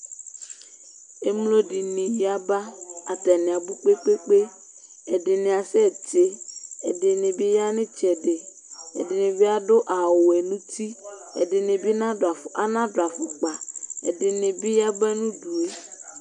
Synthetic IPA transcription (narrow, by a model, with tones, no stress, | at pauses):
e˨mlo˦di˨nɪ̃˨ja˦ba˦a˨t̪ɛ˨nɪ̃˨a˨bu˦k͡pe˦k͡pe˦k͡pe˦ | ɛ˨dɪ˨nɪ̃˨a˨sɛ˦˨t͡ʃe˦ɛ˨dɪ˨nɪ̃˨bɪ˦ja˦nɪ̃˦t͡ʃɛ˨ɖe˨ | ɛ̰˨dɪ˨nɪ̃˨bɪ˦a˦dʊ˦ʔa˨wo˨ɛ˨nũ˦t̪i˦ɛ̰˨dɪ˨nɪ̃˨bi˦nã˦dʊ˨a˨fʊ˨ʔa˨nã˦do˨a˨fʊ˨k͡pa˨ɛ˨dɪ˨nɪ̃˨bi˦ja˦ba˦nũ˦ɖu˨e˦